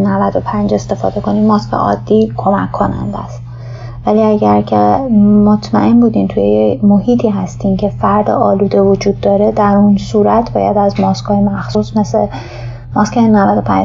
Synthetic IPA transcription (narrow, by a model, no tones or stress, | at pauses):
nævæd̪o̞pʰænd͡ʒe̞st̪e̞fɒ̰ːd̪e̞ko̞niːmmɒːskʰḛʔɒ̰ːd̪̥ːiːkʰo̞mækʰːonæ̰nd̪æ̰st̪ | væliːæɟæɾcʰemot̪ʰmæ̰ʔe̞nbuːd̪iːmt̪ʰujeemohiːt̪ʰiːɦæst̪iːmcʰe̞fæɾd̪ḛʔɒːluːd̪e̞vod͡ʒuːd̪ːɒːɾe̞d̪æɾunsuːɾæt̪ʰbɒ̰ːjæ̰d̪æzmɒːskʰhɒːjemæxsusme̞se | mɒskʰenævæd̪o̞pʰæ̰d͡ʒ